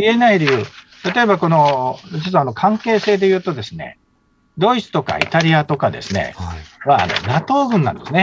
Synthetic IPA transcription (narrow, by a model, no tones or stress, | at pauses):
ie̞naiɾeɯ̟ːt̪at̪o̞e̞bako̞no̞d͡ʑit͡sano̞kʰãŋke̞ːse̞ːd̪e̞jɯ̟ːt̪o̞d̪e̞sɨne̞̰ | d̪o̞it͡sɨ̥t̪o̞ka̰ḭt̪aɾʲiat̪o̞kad̪e̞sɨne̞̰βa̰ːno̞̰nat̪o̞ːɡɯ̟̃nːã̰nd̪e̞sɨne